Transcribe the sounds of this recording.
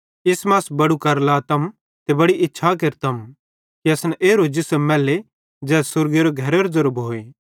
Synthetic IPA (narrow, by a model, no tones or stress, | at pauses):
ɪsmaːsbɐɽukɐɾlat̪ɐm | t̪ebɐɽiʔɪtːʃʰak̬eɾt̪ɐm | kiɐsnɛʔeːɾod͡ʒɪsəmɛːle | d͡ʒɛːsʊɾɡeɾoɡʱɐɾeɾozɐɾbɦoːe